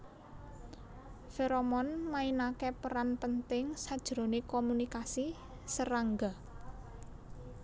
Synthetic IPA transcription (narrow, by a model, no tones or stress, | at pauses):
feɾɔmɔnmainakepəɾanpənt̪ɪŋsad̥ʒ̥ɾo̤nekɔmunikasi | səɾaŋɡa